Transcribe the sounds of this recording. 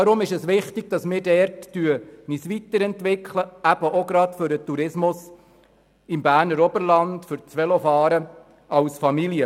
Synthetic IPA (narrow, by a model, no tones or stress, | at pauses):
ɑɾʊmɪʃəsʋɪχtɪɡ̥̚d̥ɑsmɪːɾdɛɾtːyənisʋit̪əɾɛntʋɪkʰləæb̥əʔoɡɾɑt̪fʏɾət̪uɾɪsmʊs | ɪmbæːɾnəɾɔbəɾlɑndfʏɾt͡sʋɛlɔfɑːɾə | ɑwsfɑmiljə